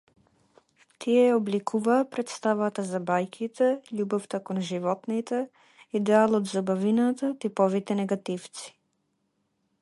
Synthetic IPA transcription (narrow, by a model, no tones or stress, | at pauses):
t̪ʰiɛjaoblikʰuvaːpɾɛt̪st̪avat̪azabajkʰit̪ʰɛʎubɔft̪akonʒivɔt̪nit̪ɛ | id̪ɛalˠɔd̪zabavinat̪at̪ipɔvit̪ɛnɛɡat̪ift̪si̥